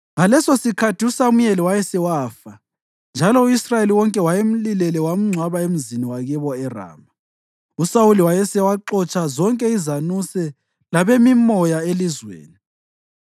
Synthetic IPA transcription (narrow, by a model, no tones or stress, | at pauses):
ŋalɛsɔsikʰatʰiusamujɛliwajɛsɛwaːfa | nd͡ʒʱalɔuisrajeliwɔŋkʼɛwajem̩lilɛlɛwam̩ŋ͡ǀʱwaβaem̩ziniwaɣɛβɔɛra̰ːma | usawuliwajɛsɛwaǃɔt͡ʃʼazɔŋkʼɛizanusɛ | laβemimɔjaelizwḛːni